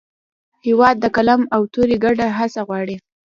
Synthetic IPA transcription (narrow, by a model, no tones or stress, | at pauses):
hewɑd̪̚ːəkalamawt̪uɾiɡaɖaɦasaɣwɑɽi